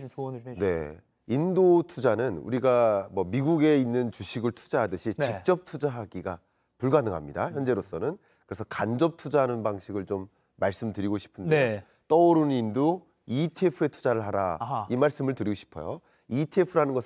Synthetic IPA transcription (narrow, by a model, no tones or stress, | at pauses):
ne̞̰ | indotʰud͡ʑanɯnṵɾiɡamwʌmiɡuɡe̞inːɯnt͡ɕuɕʰiɡɯɭtʰu̥d͡ʑaɦadɯɕʰint͡ɕik̚t͡ɕ͈ʌp̚tʰud͡ʑaɦaɡiɡa | puɭɡanɯŋɦa̰mɲida̰çjʌnd͡ʑe̞ɾos͈ʌnɯn | kɯɾe̞sʰʌkand͡ʑʌp̚tʰud͡ʑaɦanɯnbaŋɕʰiɡɯɭt͡ɕomː | aɭs͈ɯmtɯɾiɡoɕʰi̥pʰɯnde | t͈ʌoɾunnindo | itʰepʰɯe̞tʰu̥d͡ʑaɾɯɭɦaɾaimaɭs͈ɯmɯɭtɯɾiɡoɕʰi̥pʰʌ̰jo | itʰepʰɯɾanɯnɡʌs